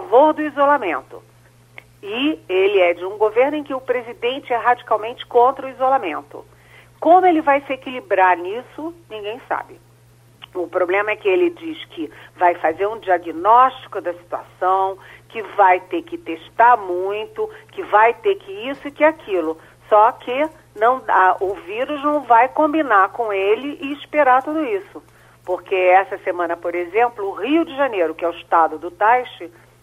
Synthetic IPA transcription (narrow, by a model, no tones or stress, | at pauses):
favoɾd̪ʊizolamẽnt̪ʊ̰ | ɪelɪɛd͡ʒɪũɡoveɾnʊẽj̃kɪʊpɾezid̪ẽnt͡ʃɪɛɦad͡ʒikawmẽnt͡ʃɪ̥kõnt̪ɾɐʊizolamẽnt̪ʊ̰ | kõmʊelɪvajsɪekilibɾaɾnisʊnĩɡẽj̃sa̰bɪ | ʊpɾoblẽmɐɛkɪelɪd͡ʒiskʰɪvajfazeɾũd͡ʒiaɡinɔʃt͡ʃi̥kʊd̪ɐsi̥t̪ua̰sɐ̃w̃kɪvajt̪ekɪt̪eʃt̪aɾmũj̃t̪ʊkɪvajt̪ekɪisʊɪkɪakʰilʊ | sɔkʰɪ | nɐ̃w̃aʔʊviɾʊznɐ̃w̃vajkõmbinaɾkõelɪʔɪːʃpeɾat̪ud̪ʊisʊ | poɾkeɛsɐsemɐ̃nɐpoɾezẽmplʊːhiʊd͡ʒɪʒanejɾʊkɪɛʊɪʃt̪ad̪ʊd̪ʊt̪ajʃɪ